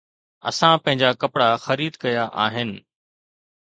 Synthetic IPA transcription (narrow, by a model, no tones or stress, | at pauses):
ɐ̰sãpɐ̃ɦɪ̃ɲd͡ʑakɐpɽaxɐɾiːd̪kɐjaʔaːɦɪnɪ̆